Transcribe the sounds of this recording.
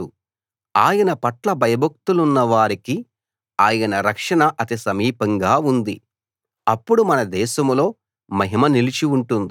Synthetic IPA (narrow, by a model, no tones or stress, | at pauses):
u | aːjɐnɐpɐʈlɐbʱɐjɐbʱɐk̚t̪ulunːɐʋaːɾiki | aːjɐnɐɾɐkʂɐɳɐʔɐt̪isɐmiːpɐŋɡaːund̪i | ɐpːuɽumɐnɐd̪ɛːʃɐmlo̞ː | mɐɦimɐnilit͡ʃiuɳʈund̪i